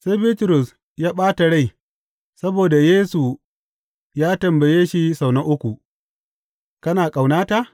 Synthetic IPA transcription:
sa˦jbiː˦tʊ˨ɾʊ˨s | jaː˦ɓaː˦ta˨ɽa˦˨j | sɐ˦boː˨da˨jeː˦su˨ | jaː˦tɐ˨mbɐ˨jeː˦ʃi˦sa˨wnɐ˦ʔʊ˦kʷu˨ | kɐ˦naː˨kʼa˨wnaː˦ta˦˨

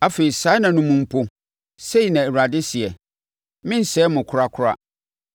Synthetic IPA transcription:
a˦fe˨ɾi˨saː˨˦nã˨nʊ̃˨mũ˨m̩˨pʰo˦ | se˦i˨nã˨ɛ˨ɾu˨a˨dɪ˦sɪ˨ɛ˨ | mɪ̃˦n̩˨sɛː˦mʊ̃˨kʰʊ˦ɾa˦kʰʊ˦ɾa̰˦

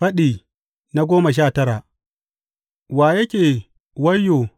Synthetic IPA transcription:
ɐ˦ɗiː˨ | na˦ɡʷoː˦mɐ˨ʃ̬aː˦˨tɐ˦ɽa˨ʔ | waː˨jɐ˦kʲeː˨ | wɐ˦jːoː˨

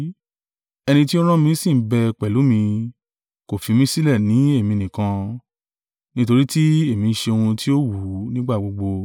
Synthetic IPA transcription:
ɛ˧nĩ˧ti˦o˦ɾ̃ã˦mĩ˧˦sĩ˦˨˦bɛ˧k͡pɛ˨lu˨˦mĩ˧ | ko˨fi˨˧mĩ˦si˦lɛ˦˨nĩ˨˦e˦˨mĩ˧˨nĩ˨kã˧ | nĩ˦to˧ɾi˦ti˦e˦˨mĩ˨˧˦ʃe˧o˧hũ˧ti˦o˦wu˨˦nĩ˦ɡ͡ba˦˨ɡ͡bo˧ɡ͡bo˧

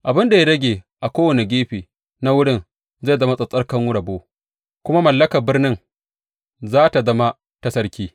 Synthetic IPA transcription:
ʔa˨bɪ˦nda˨ja˦ɽɐ˦ɡʲeː˨ʔa˨kʷoː˦wɐ˨ne˨ɡʲeː˦ɸeː˨ | na˦wʊ˦ɽɪ˦n | za˦˨zɐ˦ma˦sʼɐ˨sʼɐ˦rkɐ˦ŋwʊ˦ɽɐ˨boː˦ | kʷʊ˦ma˦mɐ˨lːɐ˦kɐ˨rbɪ˦rnɪ˦ŋ | zaː˦ta˨zɐ˦ma˦ | tɐ˦sɐ˦ɾkʲiː˦

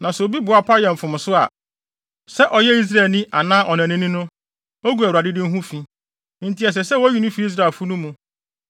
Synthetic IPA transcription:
nã˨sɛ˨o˨bi˦bʊ˨a˨pʰa˦jɛ̃˨m̩˨fʊ̃˨m˨sʊ˦a̰˨ | sɛ˦ʔɔ˨jɛ˦i˦s̬ɾa˨lnĩ˦ʔa˨nãː˦ʔɔ˨nã˨nɪ̃˦nĩ˦nʊ̃˦ | o˦ɡu˨˦æ˨u˨ɾa˨dɪ˦dɪ̃˦n̩˦ɦũ˦fĩ˦ | n̩˨ti˨ɛ˨s̬ɛ˨sɛ˦wɔ˦ɥi˦nʊ̃˦fi˦i˦s̬ɾa˨fʊ˦nʊ̃˦mũ˨

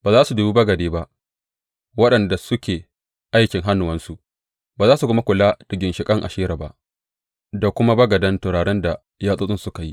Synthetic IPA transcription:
baː˨zaː˦su˨du˨bu˦bɐ˦ɡɐ˨deː˦ba˦ʔ | wɐ˦ɗɐ˨nda˨sʊ˦kʲeː˨ | ʔa˦jkʲɪ˨ŋɦa˦nːʊ˨wɐ˦nsu˦ʔ | baː˨zaː˦su˨kʊ˦ma˦kʷʊ˨laː˦d̥ɪ˨ɡʲɪ˨nʃɪ˨kʼɐ˦ŋʔa̰˨ʃeː˦ɾa˨ba˦ʔ | da˨kʷʊ˦ma˦bɐ˦ɡɐ˨dɐ˦ntʊ˨ɽaː˨ɽɛ˦nda˨ | jaː˦sʼoː˦sʼɪ˦nsʊ˦ka˨ji˦ʔ

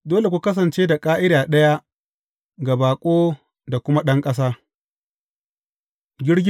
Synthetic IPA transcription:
doː˦le˨kʷu˦kɐ˦s̬ɐ˨nt͡ʃeː˦da˨kʼaː˦ʔɪ˦daː˨ɗɐ˦ja˦ | ɡa˨baː˨kʷʼoː˦ | da˨kʷʊ˦ma˦ɗɐ˦ŋkʼɐ˦s̬aː˦ | ɡʲɪ˦ɽɡʲ

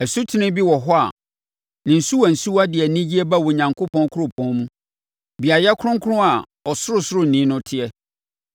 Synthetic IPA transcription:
æ˨su˦tʰɪ˦nɪ̃˦bi˦wɔ˨ɦɔ˦a̰˨ | nɪ̃˨n̩˨su˦wa˨n̩˨su˦wa˦dɪ˨ɛ˨nĩ˦d͡ʑi˦ɛ˦ba˦˨wɔ˨ɲã˨ŋkʰʊ˦pʰɔ̃˦n˦kʰʊ˦ɾʊ̃˦˨pʰɔ̃˦nmũ˦ | bi˨a˨jɛ˦kʰɾʊ̃˦ŋ˦kʰʊ˦ɾʊ̃˦a˨ | ɔ˨sʊ˦ɾʊ˦sʊ˦ɾʊ˦n̩˨nĩ˨˦nʊ̃˦tʰɪ˦ɛ˦

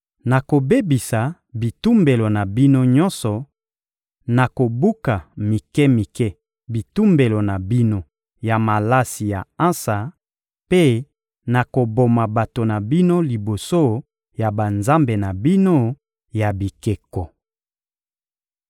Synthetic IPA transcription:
na˨ko˨be˦bi˨sa˨ | bi˨tu˦mbe˨lo˨na˨bi˦no˦ɲɔ̃˦nsɔ˨ | na˨ko˨bu˦ka˨mi˨kɛ˦mi˨kɛ˦ | bi˨tu˦mbe˨lo˨na˨bi˦no˦ | ja˨ma˨la˦si˨ja̰˨ã˦sa˨ | pe˦ | na˨ko˨bo˨ma˨ba˨to˨na˨bi˦no˦li˨bo˨so˦ | ja˨ba˨nza˦mbe˨na˨bi˦no˦ | ja˨bi˨ke˨kɔ˨

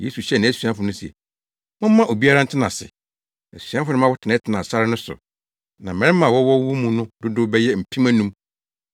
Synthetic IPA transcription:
jḛ˦su˨ɕɛ˦nã˨˦˨su˨ã˦fʊ˨nʊ̃˦sɛ̰˨ | mʊ̃˦m̩˦mã˦ʔo˨bi˦a˦ɾã˦n̩˦tʰɪ˦nã˨sɪ̰˨ | æ̰˨su˨ã˦fʊ˦nʊ̃˦mã˦wɔ˦tʰɪ˨nã˦tʰɪ˦nã˨sa˦ɾɪ˦nʊ̃˦sʊ̰˨ | nã˨m̩˨ɛ̃˨˦ɪ˦ã˨wɔ˦wɔ˦wu˦mũ˨nʊ̃˦dʊ˦dʊ˦bɛ˦jɛ˦m̩˨pʰĩ˦mæ̃˦nũ˦m

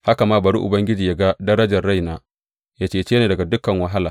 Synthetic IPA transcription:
ha˦ka˨maː˦bɐ˨ɽṵ˦ʔʊ˨bɐ˦ŋɡʲɪ˦d͡ʒiː˨ja˦ɡa˦dɐ˦ɾɐ˦d͡ʒɐ˨rɽa˦jnaː˦ | jaː˦t͡ʃeː˨t͡ʃeː˦neː˨dɐ˨ɡa˨dʊ˦kɐ˨ŋwɐ˦ɦa˦laː˨

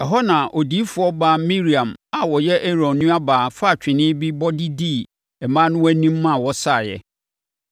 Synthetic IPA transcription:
ɛ˨ɦɔ˦nã˨ʔo˨di˦fʊ˨˦ɔ˦ba˦mĩ˦ɾi˨ã˨ma˨wɔ˨jɛ˦ʔe˦ɾɔ̃˨nːʊ̃˦a˦baː˨fa˦˨t͡ɕᶣɪ̃˨nɪ̃˦bi˦bɔ˦di˦diː˦˨ | ɛ˨mã˦nʊ̃˦wæ˦nĩ˦mː˦ã˦˨wɔ˦sa˦˨jɛ̰˨

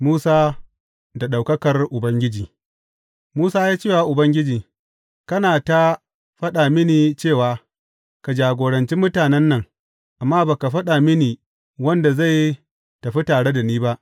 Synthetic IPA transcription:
muː˦saː˦ | da˨ɗa˨wkɐ˦kɐ˨rʔʊ˨bɐ˦ŋɡʲɪ˦d͡ʒiː˨ | muː˦saː˦jaː˦t͡ʃeː˦˨wa˦ʔʊ˨bɐ˦ŋɡʲɪ˦d͡ʒiː˨ | kɐ˦naː˨ta˦ | ɸɐ˦ɗa˨mɪ˦niː˨t͡ʃeː˦˨waː˦ | ka˨d͡ʒaː˨ɡʷoː˨ɽɐ˨nt͡ʃi˦mʊ˦taː˨nɛ˦nːɐ˨ŋ | ʔa˨mːaː˦baː˨ka˨ɸɐ˦ɗa˨mɪ˦niː˨ | wɐ˦nda˨za˦˨j | tɐ˨ɸi˦taː˨ɽe˦da˨niː˦ba˦ʔ

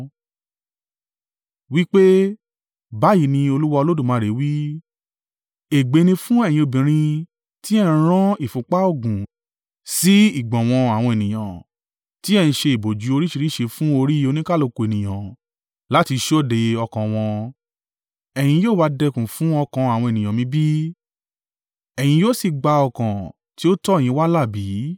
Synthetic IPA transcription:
wi˦k͡pe˦ | ba˨˦ji˦˨nĩ˧o˧lu˦wa˧o˧lo˦dũ˦˨mãː˨˧˦ɾe˨˦wi˦ | e˨ɡ͡be˨˦nĩ˧fũ˦ɛ˦˨j̃ĩ˧o˧bĩ˨ɾ̃ĩ˧ | ti˦ɛ˦˨nĩ˧˦ɾ̃ã˦i˦˨fũ˨k͡pa˦o˦˨ɡũ˨ | si˨˦i˦˨ɡ͡bɔ̃˨w̃ɔ̃˧a˨w̃ɔ̃˧e˨nĩ˨j̃ã˨ | ti˦ɛ˦˨nĩ˧ʃe˧i˨bo˨d͡ʒu˨˦o˧ɾi˦ʃi˧ɾi˦ʃe˧fũ˦o˧ɾi˦o˧nĩ˦ka˦lo˧ko˧e˨nĩ˨j̃ã˨ | la˦ti˧ʃo˦˨de˧ɔ˧kã˨w̃ɔ̃˧ | ɛ˨j̃ĩ˧joː˦˨ba˧dɛ˧kũ˨fũ˦ɔ˧kã˧a˨w̃ɔ̃˧e˨nĩ˨jã˨mĩ˧˦bi˦ | ɛ˨j̃ĩ˧jo˦˨si˧˨ɡ͡ba˧ɔ˧kã˨ | ti˨˦o˦tɔ˦e˦˨j̃ĩ˧˦wa˦la˦˨bi˨˦

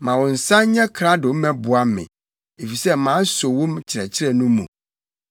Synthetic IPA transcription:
mã˨wɔ̃˨n̩˨sã˦ɲɛ̃˦kʰɾa˦do˨m˦mɛ̃˨˦bʊ˨a˦mɪ̰̃˨ | e˨fi˨sɛ˦mãː˨˦so˨wõ˦mt͡ɕʰɪ˨ɾɛ˨t͡ɕʰɪ˦ɾɛ˨nũ˦mṵ̃˨

